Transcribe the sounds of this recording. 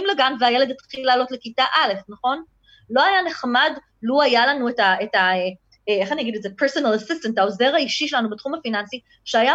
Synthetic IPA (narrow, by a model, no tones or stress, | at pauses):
imleɡanveajele̞det̪χilaːlo̞tlekitaʔale̞fnɐχo̞n | lo̞ajane̞χmad | luajalanuetaetae | eeχaniaɡidetzepeʁsonalasistantao̞zeʁaiʃiʃelanubetχumhafinansi | ʃeaja